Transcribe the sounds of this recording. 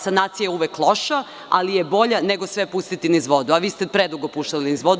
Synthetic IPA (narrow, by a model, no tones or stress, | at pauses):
sanaːt̪sijauʋeklˠoʃa | alijebo̞ʎaneɡo̞sʋepust̪it̪inizʋo̞d̪uaʋiːst̪epɾed̪ɾuɡopuʃt̪alinizʋo̞d̪